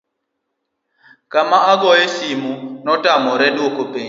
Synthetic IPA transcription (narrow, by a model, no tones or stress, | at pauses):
kamaʔaɡɔjɛsimunɔtʼamɔɾɛɗokopeɲ